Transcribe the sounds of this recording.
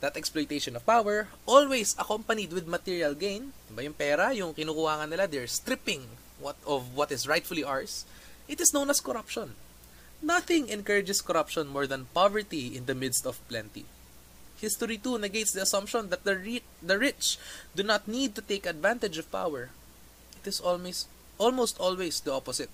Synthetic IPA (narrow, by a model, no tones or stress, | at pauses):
d̪ɐt̪ɛksplojt̪ejʃɔ̃nɔvpawɛɹʔolwejsɐkompɐnid̪wɪd̪̚mɐt̪iɹiɐlɡẽjnd̪ɪbajʊŋpɛːɾɐjʊŋkɪnuːkʊhaːŋɐnːɪlad̪ɛɹst̪ɾɪpɪ̃ŋ | wt̪ɔvwɐt̪ɪsɹajt̪fʊliʔaɹs | ʔɪt̪ɪsnõwnɐskɔɾɐpʃɔ̃nː | ɐθɪ̃ŋɛ̃nkəɹɪd͡ʒɛskɔɾɐpʃɔ̃nmɔɹd̪ɐnpavɛɹt̪iɪ̃nd̪ɐmɪd̪st̪ɔv̥plɛ̃nt̪ḭ | hɪst̪ɔɹit̪unɛɡejt̪sd̪iɐsɐ̃mpʃɔ̃nd̪ɐt̪̚d̪ɐɹ | d̪ɐɹɪt͡ʃd̪unat̪̚nid̪̚t̪ʊt̪ejkɐd̪vãnt̪ɛd͡ʒɔv̥pa̰wɛɹ | ʔɪt̪ɪss | ʔɔlmowst̪ɔlwejsd̪iɔpɔsɪt̪̚